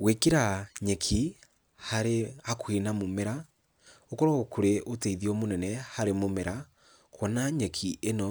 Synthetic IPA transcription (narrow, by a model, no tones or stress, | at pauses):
wekeɾaɲɛkʰi | haɾeakwenamomeɾa | okɔɾɔkoɾeʔoteiðiɔmonɛnɛhaɾemomeɾa | kwɔnaɲɛkʰienɔ